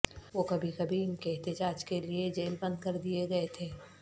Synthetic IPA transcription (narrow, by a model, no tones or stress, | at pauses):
ʋoːkɐbʱikɐbʱiɪnkeɛɦt̪ɪd͡ʒaːd͡ʒkelied͡ʒeːlbɐ̃nd̪̚kɐɾd̪ieɡɐet̪ʰeː